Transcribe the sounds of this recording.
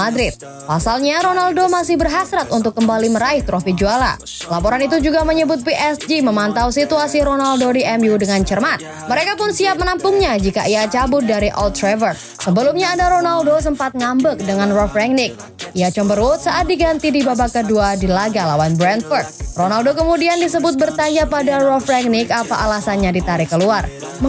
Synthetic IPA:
madɾɪt̪̚ | pasalɲaɾonaldomasɪhbərɦasɾat̪unt̪ʊkːəmbaliməɾaɪht̪ɾofid͡ʒuala̰ | lapoɾanit̪̬ud͡ʒuɡaməɲəbʊt̪̚piʔɛsd͡ʒiməmant̪awsit̪uasiɾonaldodiʔɛmjudəŋant͡ʃərmat̪̚ | məɾekapʊnsiap̚mənampʊŋɲad͡ʒikaʔiat͡ʃabʊt̪̚daɾiʔɔ̰lt̪ɾɛvər | səbəlumɲaːdaɾonaldos̬əmpat̪̚ŋambək̚dəŋanrɔfɾɛŋnɪk̚ | ijat͡ʃɔmbəɾʊt̪̚saʔat̪̚diɡant̪idibabakəduadilaɡalawanbɾɛnt̪fɔrt̪̚ronaldokəmudiandisəbʊt̪̚bərt̪aɲd͡ʒapadarɔfɾɛŋnɪkapaʔalasanɲadit̪aɾɪkəluar | mə

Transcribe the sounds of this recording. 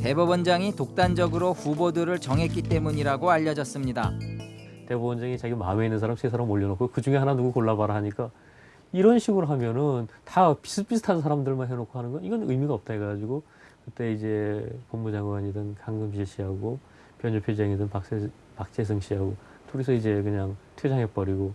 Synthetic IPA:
te̞bubʌnd͡ʑaŋitok̚t͈and͡ʑʌɡɯɾoɸubodɯɾɯɭt͡ɕʌŋɦe̞t̚k͈it͈e̞muɲiɾaɡoaʎːʌd͡ʑʌs͈ɯmɲida | te̞bubʌnd͡ʑaŋit͡ɕaɡimameinːɯnsʰaɾamsʰesʰaɾamoʎːʌnokʰokɯd͡ʑuŋe̞ɦananuɡukoɭːabaɾaɦaɲik͈a | iɾʌnɕʰiɡuɾoɦamjʌnɯntapi̥sʰɯp͈isʰɯ̥tʰanns̬ʰaɾamdɯɭmanɦenokʰoɦanɯnɡʌniɡʌnɯjmiɡaʌp̚t͈aɦeɡad͡ʑiɡo | kɯt͈e̞id͡ʑe̞pʌmmud͡ʑaŋɡwaɲidɯnkaŋɡɯmpiɭɕ͈iɦaɡo | pjʌnopʰjod͡ʑeŋidɯnpaks | pak̚t͡ɕ͈e̞s̬ʰɯŋɕ͈ʰiɦaɡo | toɾisʰʌid͡ʑe̞kɯɲaŋtʰjod͡ʑaŋɦe̞p͈ʌɾiɡo

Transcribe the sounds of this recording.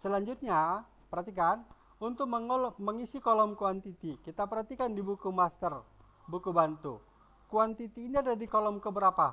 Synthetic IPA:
səlaɲd͡ʒʊt̪̚ɲa | pəɾɦat̪ikan | unt̪ʊk̚məməŋisikɔlɔmkuant̪it̪ikit̪apəɾɦat̪ikandibukumast̪ər | bukubant̪ṵ | kuant̪it̪iːniadadikɔlɔmkəbəɾapa

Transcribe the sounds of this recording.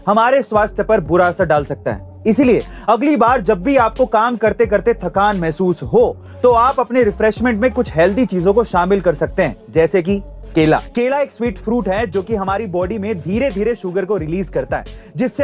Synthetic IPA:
hɐmaːɾeswaːst̪ʰjəpɐɾbʊɾasaɖaːlsɐk̚t̪a̰ɦɛ̰ː | ɪsilie | ɐɡlibaːɾd͡ʒɐbːiaːp̚kokaːmkɐɾt̪ek̬ɐɾt̪et̪ʰɐkaːnmɛɦsuːsɦo | t̪oaːpɐpneɾɪfɾɛʃmɛ̃ɳʈmẽkʊt͡ʃʰɦɛːld̪it͡ʃiːzõkoʃaːmɪlkɐɾsɐk̚t̪eɦɛ̰̃ːd͡ʒɛːsek̬i | keːla̰ːkeːlaeːkswiːʈfɾuːʈɦɛd͡ʒoːkiɦɐmaːɾibɔːɖimẽd̪ʱiːɾed̪ʱiːɾeʃʊɡəɾkoɾɪliːzkɐɾt̪aɦɛ̰ːd͡ʒɪsːe

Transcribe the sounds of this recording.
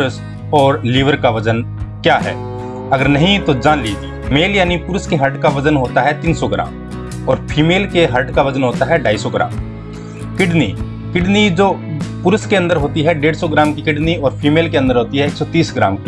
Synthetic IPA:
pɾəs | ɔːɾliːʋəɾkaʋɐd͡ʒən | kjaːɦɛ̰ː | ɐɡəɾnɐɦĩt̪od͡ʒaːnliːd͡ʒ̪iːmeːljaːnipʊɾəskeɦɐʈkaʋɐd͡ʒənɦoːt̪aɦɛt̪iːnsɔɡɪɾa̰ːm | ɔːɾpʰiːmeːlkeɦɐʈkaʋɐd͡ʒənɦoːt̪aɦɛɖaːɪsɔɡɪɾa̰ːm | kɪɖnḭ | kɪɖnid͡ʒoːpʊɾəskeɐ̃nd̪əɾɦoːt̪iɦɛɖeːɽsɔɡɾaːmkikɪɖniɔːɾpʰiːmeːlkeɐ̃nd̪əɾɦoːt̪iɦɛeːksɔt̪iːsɡɾa̰ːmk

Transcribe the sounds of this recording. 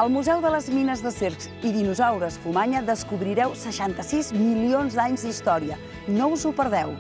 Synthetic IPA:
əlˠmuzɛwðələzminəzðəseɾs | iðinuzawɾəsfumaɲəðəskuβɾiɾɛwsəʃant̪əsizmilionzd̪aɲzd̪ist̪ɔɾiə | nouzupəɾð̞ɛw

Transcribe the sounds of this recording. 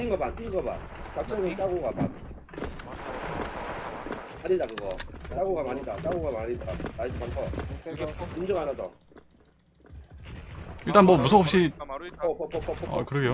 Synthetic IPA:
t͈iŋɡʌmant͈iŋɡʌba̰n | t͡ɕak̚t͡ɕ͈ʌnɯnt͡ɕ͈aɡoɡama̰n | maɲidakɯɡʌt͡ɕaɡoɡamaɲida̰t͡ɕ͈aɡoɡamaɲidamad͡ʑiantʰʌsʰʌumd͡ʑʌŋanado̰ | iɭt͈anmʌmusʰoɦop̚ɕ͈iʌpʌpʌpʌpʌ̰kɯɾʌɡeo

